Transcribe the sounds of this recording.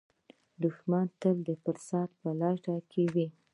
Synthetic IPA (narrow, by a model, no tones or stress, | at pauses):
d̪ʊxmant̪əld̪əfəɾsɑt̪̚pəlɑʈɑkʰewi